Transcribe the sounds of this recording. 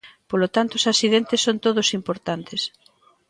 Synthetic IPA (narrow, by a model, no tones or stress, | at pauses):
polot̪ant̪osasiðent̪ɪsːont̪oðosimpoɾt̪ant̪ɪs